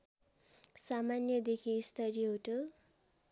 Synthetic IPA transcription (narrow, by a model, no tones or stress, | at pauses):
samanjʌd̪ekʰist̪ʌɾiɦoʈo